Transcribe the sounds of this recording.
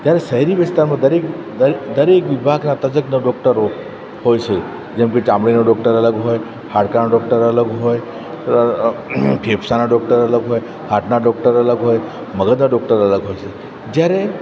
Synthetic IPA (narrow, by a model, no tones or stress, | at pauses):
d͡ʒjaɾesəɦiɾiʋɪst̪aɾmãd̪əɾek̪ | d̪əɾekʋibʱaɡnat̪ɐd͡ʒəknəɖɔk̚ʈəɾo | hojt͡ʃʰe | d͡ʒemket͡ʃãmɽinoɖɔkʈəɾələɡɦoːj | haɽkanaɖɔk̚ʈəɾələɡɦoj | pʰepʰsanaɖɔk̚ʈəɾələɡɦoːj | haʈnaɖɔk̚ʈəɾələɡɦoːj | məɡəd̪naɖɔk̚ʈəɾələɡɦojt͡ʃʰe | d͡ʒjaɾe